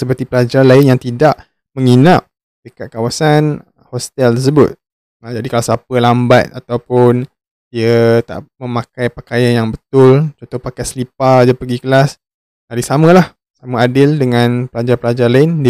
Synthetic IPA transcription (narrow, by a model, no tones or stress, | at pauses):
səpərt̪ipəlad͡ʒalaɪnjaŋt̪idaʔ | mə̃ŋinap̚ | dəkat̪̚kawasan | hɔst̪ɛlt̪ərsəbʊ̰t̪̚ | d͡ʒadikalasapəlambat̪̚at̪awpʊn | diət̪a̰ʔmə̃makajpakajanjaŋbət̪ʊlt͡ʃont̪ɔhpakajsəlip̚ad͡ʒapəɡikəlas | aɾisamə̃lah | samaadɪldəŋãnpəlad͡ʒarpəlad͡ʒarlaɪnd